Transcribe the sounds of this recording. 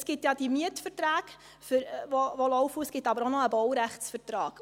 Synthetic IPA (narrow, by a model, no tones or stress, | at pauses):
sɡ̥ɪtjɑd̥imiətfəɾtɾaːɡ̥ | fʏɾvoʋolɔʊfusɡ̥ɪtɑbəɾonɔəbɔwɾæχt͡sfəɾtɾɑːɡ̥